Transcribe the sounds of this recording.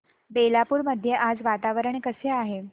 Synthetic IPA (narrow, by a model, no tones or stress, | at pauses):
belapuːɾməd̪ʱːjeʔad͡zʋat̪aʋəɾəɳ̃kəseaɦe